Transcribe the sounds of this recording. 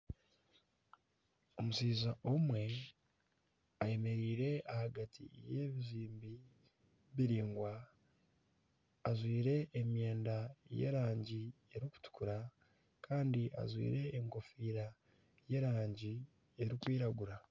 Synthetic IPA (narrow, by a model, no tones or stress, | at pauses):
o̞musiːzaʔomwe̞ | aje̞me̞ɾiːɾe̞ahaɡatʰḭjeːβiziːmbi | βiɾiːŋɡwa | zwiːɾe̞ʔːmje̞ːndaje̞̰ːɾaːɲɟie̞ɾiku̥tu̥kuɾa | kaːndiʔa̰zwḭːɾe̞ːŋko̞fiːɾa | je̞ːɾaːɲɟi | e̞ɾikwiːɾaɡuɾa